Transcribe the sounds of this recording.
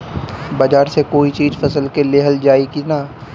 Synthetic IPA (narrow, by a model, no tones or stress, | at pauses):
baːd͡ʒaːɾsekoːit͡ʃiːzfɐsəlkeleːɦəld͡ʒaːikina